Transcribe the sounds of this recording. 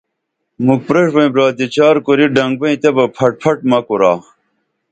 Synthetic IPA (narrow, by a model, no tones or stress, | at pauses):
muk̚pɾeʂbɐ̃ĩbɾaːt̪et͡ɕaːɾkoɾiɖɐŋɡ̚bɐĩt̪ebɐpʰɐʈ̚pʰɐʈmɐkoɾaː